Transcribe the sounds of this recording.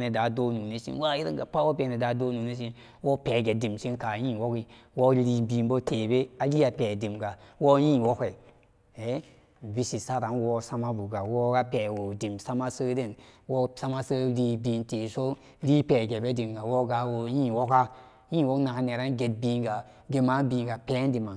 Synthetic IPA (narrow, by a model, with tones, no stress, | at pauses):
ne˨da˨do˦nu˨ne˦sḭ˦nwa˦ji˦ɾḭ˦ŋɡa˨pa˦wo˦pe˨ne˨da˨˦do˦nu˨ne˦s̬i˦n | wo˦pe˨ɡe˨di˨msi˦nka˨jĩː˦wo˦ki˦wo˦li˨bi˨nbo˦te˨be˦a˨li˦a˨peː˨di˨mɡa˨wo˦jĩː˦˨wo˦kʷe˨ | e˨˦ | vi˦si˨sa˦ɾa˨nwo˦sa˦ma˦bu˨ɡa˨wo˦ɡa˦pe˨wo˨di˨msa˦ma˦sə˦de˦nwo˦sa˦ma˦sə˦li˧bi˨nte˨so˦ | li˦pe˨ɡe˨be˦di˨mɡa˨wo˦ɡa˨˦wo˨˦jĩ˦wo˦ka˦ | jĩː˦˨wo˦kna˨ka˨˦ne˨ɾa˦nɡe˨t̚biː˨ŋɡa˨ | ɡe˨ma˦biː˨ŋɡa˨pe˦n˦di˨ma˨